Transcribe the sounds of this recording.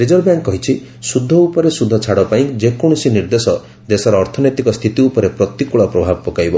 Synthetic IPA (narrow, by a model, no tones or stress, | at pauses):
ɾid͡ʒɔɾbjaŋkkːɔɦit͡ʃʰi | sud̪ʱːɔupɔɾesud̪ʱːɔt͡ʃʰaɽɔpaĩd͡ʒekɔɽ̃ɔsiniɾd̪esɔ | d̪esɔɾɔːɾt̪ʰɔnɔt̪ikɔst̪ʰit̪iupɔɾepɾɔt̪ikuɭɔpɾɔbʱabɔpɔkajbɔ